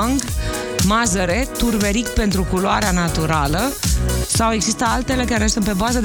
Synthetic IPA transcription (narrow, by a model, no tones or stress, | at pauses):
ŋɡ | mazəɾe̞t̪urbeɾikpe̞nt̪ɾukuloaɾeanat̪uɾaləsawe̞ɡzist̪əalt̪e̞le̞kaɾe̞sunt̪̚pe̞bazəd̪